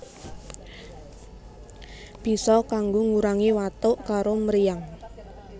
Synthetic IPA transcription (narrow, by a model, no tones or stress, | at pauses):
b̥i̤sɔkaŋɡoŋuɾaŋiwat̪ʊʔkaɾoməɾijaŋ